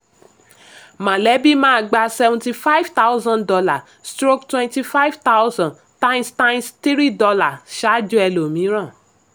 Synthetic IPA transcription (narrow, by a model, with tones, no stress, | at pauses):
mã˨lɛ˨˦bi˦mãː˦˧˨ɡ͡ba˧sɛ˧vɔ̃˧ti˧fa˦i˦fta˦wzã˦ndɔ˧la˦˨ | stɾo˦ktwɛ̃˧nti˧fa˦i˦˨vt̪a˦wzã˨ | tã˦stã˦nsti˦ɾi˦dɔ˧la˨ʃa˦d͡ʒɔ˦ɛ˧lo˨mĩ˨˦ɾ̃ã˦˨